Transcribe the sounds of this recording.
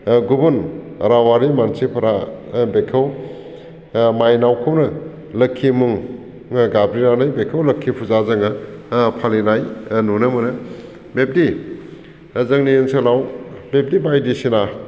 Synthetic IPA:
ɡubun | ɾawaɾimansipʰɐɾabekʰɐw | majnawkʰumnɐ | lɐkʰːimuŋ | ɡabɾinanɯjbekʰɐwlɐkʰːipʰuzazɐŋɯpʰalinajnunɯmɯnɯ | bep̚di | zɐŋnienselawbep̚dibajdisina

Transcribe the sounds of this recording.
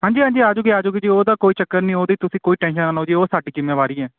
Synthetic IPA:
ɦãːɲd͡ʒiːɦãːɲd͡ʒiːaːd͡ʒoːɡiːaːd͡ʒoːɡiːd͡ʒiːoːd̪aːkoːiːt͡ʃəkːəɾnĩːoːd̪iːt̪ʊsĩːkoːiːʈɛ̃ːnʃənaːnoːd͡ʒiːoːsaːɖiːd͡ʒɪmːẽːʋaːɾiːɛː

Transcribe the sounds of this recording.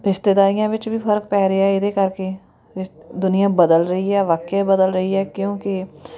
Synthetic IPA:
ɾɪʃt̪ɪd̪aːijãʋɪt͡ʃbʱipʰəɾkpɛːɾejaɦɪd̪ekɐɾke | ɪd̪ʊnijãbəd̪əlɾɐɦiɦɛːʋaːkjebəd̪əlɾɐɦiɦɛːkjõːki

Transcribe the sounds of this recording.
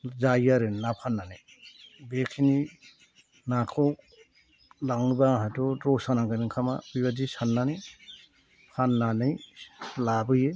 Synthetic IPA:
zajaɾɯnnapʰanːanɯj | bekʰini | nakʰɔw | laŋbaɦatɔɾɔsanaŋkaniŋkʰama̰ujβadisanːani | pʰanːanɯjlabɯje

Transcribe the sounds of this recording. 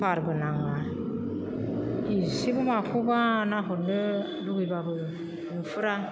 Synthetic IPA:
paɾbɯnaŋa | isibɯmakʰubanaɦɔnɯ | duɡɯjbabɯ | nɯfɯɾa

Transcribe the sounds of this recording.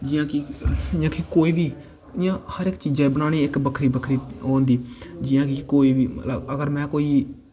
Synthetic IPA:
d͡ʒɪjãːkɪɪjãːkɪkoːiːʋiː | ɪjãːhəɾɪkːt͡ʃiːd͡ʒãːbənaːɽ̃iːɪkbəkʰɾiːbəkʰɾiːoːnd̪iːd͡ʒɪjãːkɪkoːiːʋiːəəɡəɾmɛ̃ːkoːiː

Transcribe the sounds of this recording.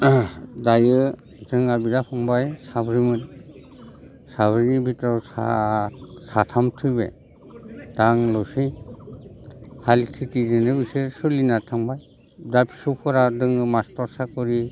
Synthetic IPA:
dajɯ | zɯŋabidapʰɔŋbajsabɾimɯn | sabɾinibʱitɔwsa̰ | satʰamtʰɯjbḛ | d̥aŋlɔwsɯj | haltʰitizɯnɯbisɯsulinatʰaŋbaj | dapʰi̥supʰɔɾadɯŋɯmastɔɾsakɔɾi

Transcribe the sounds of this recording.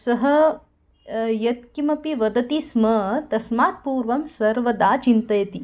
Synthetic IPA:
sɐɦɐ | jɐt̪kimɐpiʋɐd̪ɐt̪ismɐt̪ɐsmaːt̪̚puːɾʋɐmsɐɾʋɐd̪aːt͡ʃint̪ɐjɐt̪i

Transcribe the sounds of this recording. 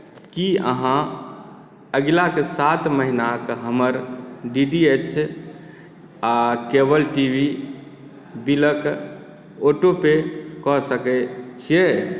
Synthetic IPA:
kiə̰ɦã | əɡlakesat̪məɦinakɦəməɾɖiɖiet͡ʃʰ | akebəlʈibi | bilək | oʈopekɔsəkɛt͡ʃʰije

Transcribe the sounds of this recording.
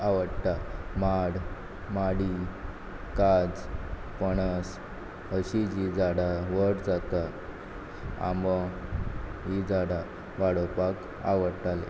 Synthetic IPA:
aʋəɽt̪amaɽ | maɽi | kad͡z | pəɳəs | əɕid͡ʑid͡zaɽaʋəɽd͡zat̪a | a̰mɔ | ɦid͡zaɽa | ʋaɽopak | a̰ʋəɽt̪alḛ

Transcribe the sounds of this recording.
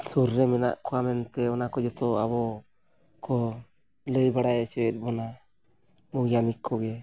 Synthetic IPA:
suɾːɛmɛna̰ʔkɔwamɛnt̪ɛɔnakɔd͡ʒɔt̪ɔabɔ | kɔ | ləjbaɽajɛt͡ʃɛwɛt̪̚ˀbɔna | muɡjanikʰːɔɡɛ

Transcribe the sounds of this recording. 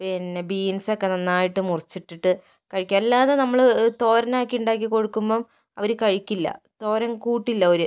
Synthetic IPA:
pinːebiːnsokːenɐnːaːjiʈːɨmurit͡ɕːiʈːiʈːɨ | kɐɻikʲːɐmelːaːðenɐmːɐɭt̪o̞ːɾɐnaːkːiuɳɖaːk̬ːiko̞ɻukːumboːm | ɐ̰ʋɐɾukɐɻikʲːilːɐ̰t̪o̞ːɾɐŋkuːʈːilːɐo̞ɾu

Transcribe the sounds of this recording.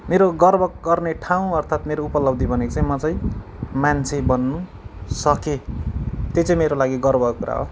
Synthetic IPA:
meɾoɡʌrbʱʌk̚ɡʌrneʈʰaw̃ʌrt̪ʰat̪meɾoupʌlʌb̚d̪ʱibʱʌnekt͡saĩmʌt͡sʌj̃mant͡sʰebʌnːu | sʌke | t̪et͡saĩmeɾolaɡiɡʌrbʱʌkkuɾa̰ɦo̰

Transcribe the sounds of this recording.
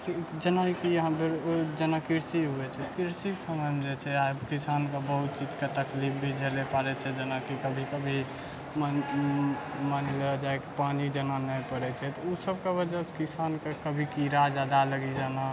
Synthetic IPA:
sid͡ʒənakijɦãbeɾod͡ʒənakiɾsiɦuɛt͡ʃʰɛt̪kiɾsiksəməmd͡ʒɛt͡ʃʰɛabkisankebəɦut̪̚t͡ʃid͡ʒket̪əklip̚bʱid͡ʒʱelepaɾɛt͡ʃʰɛd͡ʒənakikəbʱikəbʱi | manləd͡ʒaekepanid͡ʒənanəjpəɾɛt͡ʃʰɛt̪ɔusəbkebəd͡ʒɛskisankekəbʱikiɾad͡ʒad̪aləɡid͡ʒana

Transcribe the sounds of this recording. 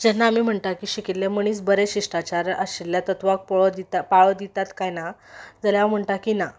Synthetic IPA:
d͡ʑɛnːaːmiːm̤əɳt̪akiːɕikit̪leməɳ̃iːt͡sbəɾeɕiʂʈat͡ɕaɾʔəɕilljat̪ət̪ʋak̚pəɭəd̪it̪apaɭəd̪it̪at̪kajnad͡zaljaʋam̤əɳt̪akina

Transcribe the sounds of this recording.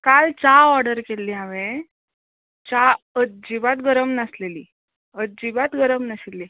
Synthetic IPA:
kalt͡saɔɾɽəɾkelːiɦãʋe | t͡ɕa | əd͡ʑibat̪ɡəɾəmnasleliː | əd͡ʑibat̪ɡəɾəmnasilːi

